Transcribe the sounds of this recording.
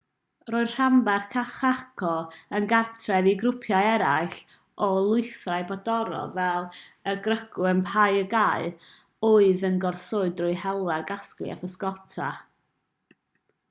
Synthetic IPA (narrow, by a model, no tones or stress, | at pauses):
roːɨ̥r̥ambarkʰaχakʰɔənɡartʰrɛviɡɾʊpʰjajɛɾajɬ | ɔlˠʊɨθrajbɔdɔɾɔ̰vɛlˠəɡrəɡʊənpʰajəɡaɨ | ʊɨðənɡɔrθʊɨdrʊɨhɛlˠaɡasklˠḭa̰fəskɔtʰa̰